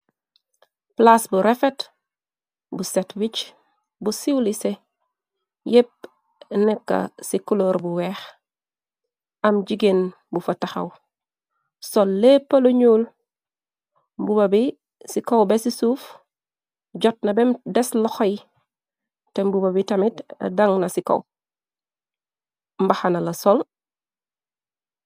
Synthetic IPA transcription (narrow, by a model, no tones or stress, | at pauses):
plasbuɾefet | busetwit͡ʃ | busiwlise | jep̚ | nɛkːɐ̰sikuloːɾbuweːx | ɐmɟiɡen | bufɐtaxɐ̰w | solːepːɐloɲuːl | mbubabi | sikowbesisuːf | ɟɔt̚nɐbemdɛslɔxoj | tembubabitɐmitɐ̰daŋnɐsiko̰w | mbaxanalɐsol